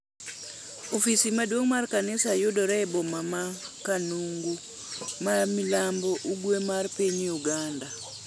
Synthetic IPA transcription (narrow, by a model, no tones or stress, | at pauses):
ofisimadwoŋmarkanɪsajʊdɔɾɛbɔmamakanuŋɡu | mamilambɔʔuɡwemarpiɲuɡanda